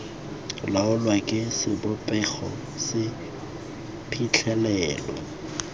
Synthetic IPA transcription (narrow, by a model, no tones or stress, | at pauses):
laʊlwakʼɪsɪbʊpʼɛχɔ̰ | sɪ | pʰit͡ɬʰɛlɛːlɔ̰